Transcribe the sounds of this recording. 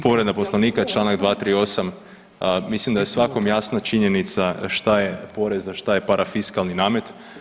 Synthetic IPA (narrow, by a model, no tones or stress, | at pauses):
po̞ɾe̞d̪apo̞slˠaniːkat͡ʃlˠaːnaɡd̪ʋaːt̪ɾiːo̞sam | mislimd̪ajesʋako̞mjasnat͡ʃiɲe̞nit̪saʃt̪ajepo̞ɾe̞zaʃt̪ajepaɾʔafiskalˠninaːme̞t̪